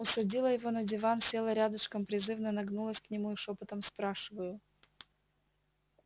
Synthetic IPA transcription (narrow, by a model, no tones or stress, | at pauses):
ʊsɐdʲilˠəjɪvo̞nədʲɪvansʲe̞lˠəɾʲad̪əʂkəmpɾʲɪzɨvnənɐɡnulˠəsʲknʲɪmuɪʂopɨt̪əmspɾaʂɨvəjʊ